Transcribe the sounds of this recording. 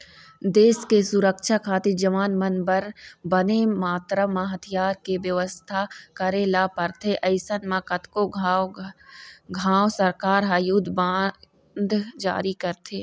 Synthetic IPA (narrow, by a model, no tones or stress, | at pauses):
d̪eːskesʊɾəkʃakʰaːt̪ɪɾd͡ʒɐʋaːnmɐnbəɾbɐnemaːt̪ɾamãɦɐt̪ʰijaːɾkeʋjɐʋəst̪ʰakɐɾelaːpɐɾt̪ʰeʔɐɪsənmãkɐt̪ko | ɡʱaːwsɐɾkaːɾɦaɐjud̪ʱbaː | nd̪ʱd͡ʒa̰ːɾikɐɾt̪ʰeː